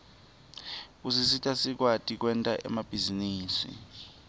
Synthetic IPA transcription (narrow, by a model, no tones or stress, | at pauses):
usis̬itʰʼasik̬watʼik̬wɛntʼaʔɛ̰mab̥ʱiziniːsḭ